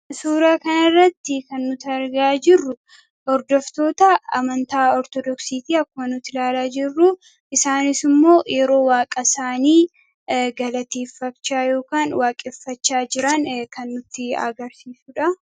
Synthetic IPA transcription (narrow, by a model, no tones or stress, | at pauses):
suːɾaːkɐnɐrːɐt̪ːɪkɐnːʊt̪ɐɾɡaːd͡ʒɪrːʊ | ɔɾd̪ɔft̪o̞ːt̪ɐɐmɐnt̪aːɔɾt̪ɔd̪ɔksiːt̪iːɐkːʊmɐnʊt̪ːɪlaːlaːd͡ʒɪrːʊ | ʔɪsaːnɪsɪmːo̞ːjɛɾo̞ːwaːkʼɐsaːniː | ɡɐlɐt̪eːfːɐkt͡ʃːaːjo̞ːkaːnwaːkʼɛfːɐt͡ʃːaːd͡ʒɪɾɐnkɐnːʊt̪ːɪɐ̰ɡɐɾsiːsuᶑɐ